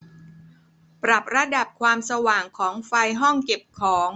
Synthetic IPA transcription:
pɾa˨˩p̚ɾa˧˥da˨˩p̚kʰwaː˧msa˧waː˨˩ŋkʰɔː˩˦ŋfa˧jɦɔ˥˩ŋke˨˩p̚kʰɔː˩˦ŋ

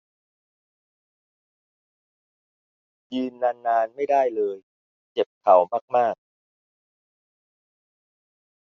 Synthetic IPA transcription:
jɯː˧nːaː˧nːaː˧nma˥˩jdaː˥˩jlɤː˧j | t͡ɕe˨˩p̚kʰa˩˦wmaː˥˩k̚maː˥˩k̚

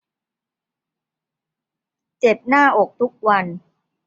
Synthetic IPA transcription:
t͡ɕe˨˩p̚naː˥˩ʔo˨˩k̚t̪ʰu˦˥k̚wa˧n

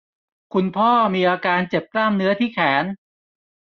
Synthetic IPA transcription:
kʰu˧npʰɔː˥˩miː˧ʔaː˧kaː˧nt͡ɕe˨˩p̚klaː˥˩mnɯ˦˥ɐt̪ʰiː˥˩kʰɛː˩˦n

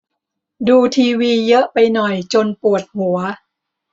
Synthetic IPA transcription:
duː˧t̪ʰiː˧wiː˧jɤ˦˥ʔpa˧jnɔ˨˩jt͡ɕo˧npu˨˩ət̪̚hu˨˩˦ɐ

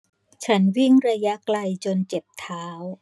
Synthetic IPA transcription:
t͡ɕʰa˦˥nwi˥˩ŋɾa˧ja˦˥kla˧jt͡ɕo˧nt͡ɕe˨˩p̚t̪ʰaː˦˥w

